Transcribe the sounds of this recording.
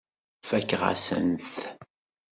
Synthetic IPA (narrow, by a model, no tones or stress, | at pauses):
fækːʁa̰sə̰nθ